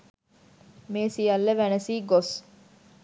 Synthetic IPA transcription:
meːsijɐlːeʋænɐsiːɡos

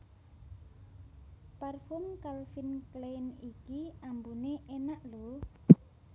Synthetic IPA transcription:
pɛrfʊmkalfinklenikiambuneʔenaʔlo

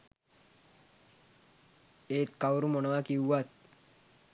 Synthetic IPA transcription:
eːt̪kawɾumonoʋakiuʋat̪̚

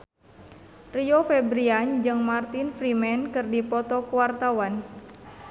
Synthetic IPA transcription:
riofɛbɾiand͡ʒɨŋmart̪infɾimɛnkɨrdipɔt̪ɔkuwart̪awan

